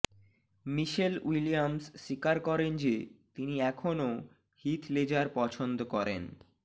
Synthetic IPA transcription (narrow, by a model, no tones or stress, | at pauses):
miʃelwilijamsʃikaɾkɔɾend͡ʑet̪iniɛkʰono | hit̪ʰled͡ʑaɾpɔt͡ɕʰond̪okɔɾḛn